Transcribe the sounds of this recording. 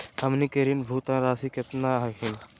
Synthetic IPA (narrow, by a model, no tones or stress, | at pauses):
hɐmnikəɾinbʱuːt̪ãːɾaːsikɐt̪nãːɦɐkin